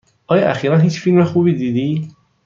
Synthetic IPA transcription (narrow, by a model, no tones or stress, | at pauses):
ʔɒːjɒʔæ̰xiːɾænɦiːt͡ʃfilmɾoxuːbiːd̪iːd̪iː